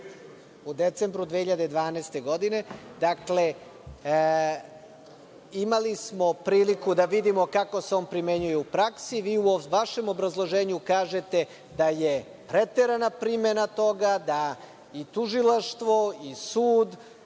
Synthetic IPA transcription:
ud̪et̪sembɾud̪ʋehiʎad̪ed̪ʋaːneːst̪e̞ɡo̞d̪ine̞d̪akle | imalismo̞pɾiːlikud̪aʋid̪imo̞kako̞seo̞ːnpɾime̞ɲujeupɾaksiʋiːuʋaʃe̞mo̞bɾazlˠo̞ʒeːɲukaːʒe̞t̪e̞ | d̪aje | pɾet̪e̞ɾanapɾimenat̪o̞ɡad̪a | it̪uʒilaʃt̪ʋo̞isuːd̪

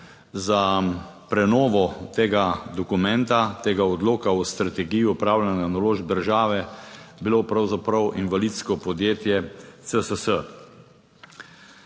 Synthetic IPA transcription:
zapɾɛnɔːʋɔt̪eːɡad̪ɔkumɛ̃nt̪at̪eːɡaɔd̪loːkawst̪ɾat̪ɛɡijuɔpɾaːwlananaloːʒb̚d̪əɾʒaːʋɛbiloːpɾawzapɾɐwʔinʋalit̪skɔpɔd̪jeːt̪jɛt̪t͡s̪əsəsə

